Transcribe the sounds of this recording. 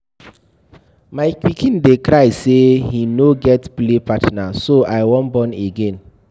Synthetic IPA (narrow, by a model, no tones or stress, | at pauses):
maɪkwikĩndekɾaɪsehinoɡɛtplepatnasoʔaɪwɔ̃nbɔ̃neɡẽn